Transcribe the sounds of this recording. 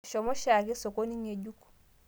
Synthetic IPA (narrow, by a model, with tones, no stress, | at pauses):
ʃɔ˨mɔ˦ʃa˨ki˦so˨ko˦ni˦ɲe˨ɟu˦k